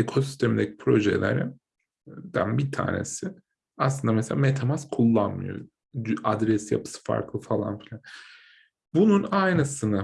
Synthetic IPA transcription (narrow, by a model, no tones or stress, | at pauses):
ekʰo̞sy̥st̪ʰemind̪ecʰi̥pʰɾo̞ʒḛlʲæ̰ɾɪn | d̪ænbit̪ʰa̰ːne̞̰sɪ | aslˠɯnd̪ameselʲaːmet̪ʰamaskʰulˠːanmɯ̰jo̰ | ʔad̪ɾɛsija̰pʰɯ̥sɯ̥fa̰ɾklˠɯfalˠa̰nfilʲan | bununajnɯsɯna